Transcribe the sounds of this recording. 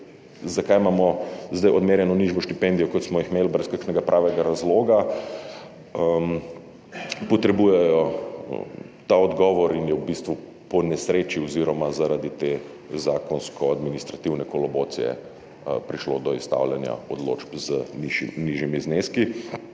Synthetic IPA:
zakajmamɔzd̪ajɔd̪meːɾjɛnɔniʒʋɔʃt̪ipɛnd̪ijɔkɔt̪smɔjixmeːlbɾɛskakʃnɛɡapɾʔaːʋɛɡaɾazloːɡa | ə | pɔt̪ɾɛbuːjɛjɔ | t̪aɔd̪ɡɔːʋɔɾinjɛubist̪ʋu | pɔnɛsɾeːt͡ʃiɔziɾɔmazaɾad̪it̪eː | zaːkɔnskʰɔad̪minist̪ɾat̪iwnɛkɔlɔboːt̪sḭjɛ̰ | pɾiʃlod̪ɔist̪a̰wljanja̰ɔd̪lo̰ːd͡ʒpzəniʒniʒjimizneski

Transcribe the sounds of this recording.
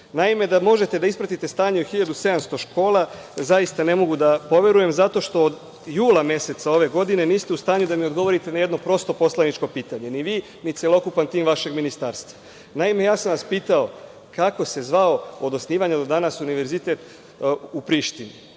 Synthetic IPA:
naime̞d̪amo̞ʒe̞t̪e̞d̪aispɾat̪it̪e̞st̪aːɲeoxiʎad̪use̞d̪amst̪o̞ʃko̞ːlˠazaist̪ane̞mo̞ɡud̪apo̞ʋe̞ɾuje̞mzat̪o̞ʃt̪o̞ːd̪ | juːlˠamje̞se̞t̪sao̞ʋe̞ɡo̞d̪ine̞niːst̪eust̪aːɲud̪amiod̪ɡo̞ʋo̞ɾit̪enaje̞d̪no̞pɾo̞st̪o̞po̞slanit͡ʃko̞piːt̪aɲe̞niʋiː | nit̪sʲelo̞kupant̪iːmʋaʃe̞ɡminist̪aɾst̪ʋa | naime̞jaːsamʋaspiːt̪ao̞ | kako̞se̞zʋao̞od̪osniːʋaɲad̪od̪anasuniʋe̞ɾzit̪e̞t̪ | upɾiːʃt̪ini

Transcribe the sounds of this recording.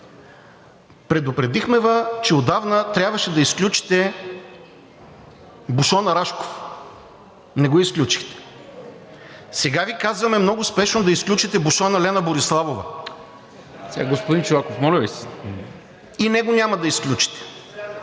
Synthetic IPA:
pɾɛd̪ʊpɾɛd̪ixmɛvət͡ʃɛod̪avnət̪ɾʲjabvɐʃɛd̪ɐisklʲut͡ʃi̥t̪ɛ | buʃɔnɐɾaʃko̥f | nɛɡoisklʲut͡ʃi̥xt̪ɛ̥ | sɛɡavikazvɐmɛmnɔɡʊspɛʃnod̪ɐisklʲut͡ʃit̪ɛbuʃɔnɐlɛnəboɾislˠavovə̰ | sɛɡaɡospod̪int͡ʃʊvakofmɔlʲɐbisɛ̥ | inɛɡoɲʲaməd̪ɐisklʲut͡ʃi̥t̪ɛ̥

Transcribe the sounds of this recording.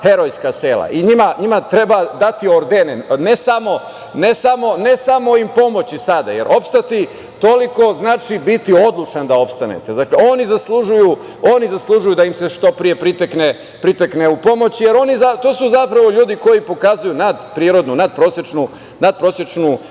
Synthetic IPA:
he̞ɾo̞jskaseːlˠa̰ʔiɲimaɲimat̪ɾebad̪at̪io̞ɾd̪enenesamo̞ | nesamo̞ne̞samo̞impo̞mo̞t͡ɕisad̪a̰je̞̰ɾʔo̞pst̪at̪i | t̪o̞liko̞znaːt͡ʃibit̪io̞d̪lˠut͡ʃand̪ao̞pst̪anḛt̪e̞zakleoːnizaslˠuʒuju | o̞ːnizaslˠuʒujud̪aimse̞ʃt̪o̞pɾije̞pɾit̪ekne | pɾit̪ekneupo̞mo̞t͡ɕjeɾo̞nizat̪oːsuzapɾaʋo̞ʎuːd̪iko̞jipo̞kazujunad̪pɾiɾo̞d̪nunad̪̚pɾo̞sjet͡ʃnu | nad̪̚pɾo̞sjet͡ʃnu

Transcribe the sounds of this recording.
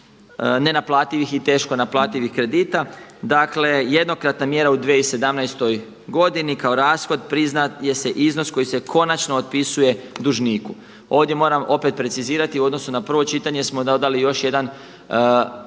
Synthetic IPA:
ne̞naplˠaːt̪iʋixit̪e̞ːʃkonaplˠaːt̪iʋixkɾe̞d̪iːt̪ad̪akle̞je̞d̪no̞kɾat̪namje̞ɾaud̪ʋeise̞d̪amnajst̪o̞j | ɡo̞d̪inikao̞ɾaːsxo̞d̪̚pɾiznaje̞se̞ʔizno̞sko̞jise̞kʰo̞nat͡ʃnoːd̪̚pisuje̞d̪uʒniːku | o̞ːʋd̪je̞mo̞ːɾamo̞pe̞t̪̚pɾe̞siziːɾat̪iuo̞d̪no̞sunapr̩ʋo̞t͡ʃit̪aɲe̞smod̪od̪alijo̞ʃje̞d̪an

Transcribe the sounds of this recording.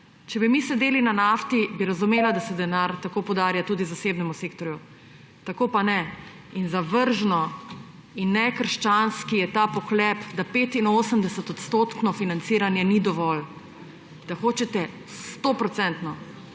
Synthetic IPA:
t͡ʃɛbimisɛd̪eːlinanaːft̪ibiɾazumeːlad̪asɛd̪ɛnaɾt̪akoːpowd̪aːɾjat̪uːd̪izaseːbnɛmuseːkt̪ɔɾju | t̪akoːpanɛ | inzaʋəɾʒnɔ | inːɛkəɾʃt͡ʃanskijɛt̪aːpɔxlɛpd̪apeːt̪inoːsəmd̪ɛsɛt̪ɔt̪st̪oːt̪knɔfinansiːɾanjɛnid̪ɔʋɔl | d̪̥axoːt͡ʃɛt̪ɛ | st̪opɾɔt̪sɛnt̪nɔ

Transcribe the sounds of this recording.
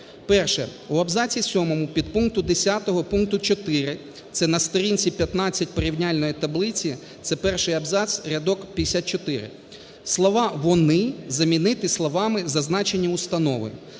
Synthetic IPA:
pɛrʃɛ̰uɐbzɑt͡sʲisʲɔmɔmʊpʲid̪̚punk̚t̪ʊd̪esʲat̪ɔɦɔpunk̚t̪ʊt͡ʃɔt̪ɪɾɪ | t̪sɛnɐst̪ɔɾʲinʲt͡sʲipʲjɐt̪nɑt͡sʲːɐt̚ʲpɔɾʲiwnʲalʲnɔjit̪ɐblˠɪt͡sʲi | t̪sɛpɛrʃɪjɐbzɑt͡s̪ʲɾʲɐd̪ɔkpʲd̪esʲat̪̚t͡ʃɔt̪ɪɾɪ̰ | slˠɔʋɑʋɔnɪzɐmʲinɪt̪ɪslˠɔʋɑmɪzɐznɑt͡ʃenʲːiʊst̪ɐnɔʋɔ̰jʊ̰

